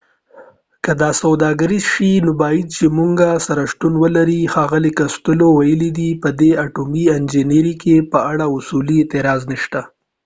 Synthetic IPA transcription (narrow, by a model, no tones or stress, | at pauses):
kəd̪ɑsawd̪ɑɡaɾizʃinobɑjid̪̚t͡ʃemuŋɡasaɾaʃt̪unwəlaɾixɑɣəlekast̪ʊlowajəlid̪ipəd̪eaʈumiɪnd͡ʒiniɾikʰepəaɽaʊsuliet̪ɪɾɑzniʃt̪a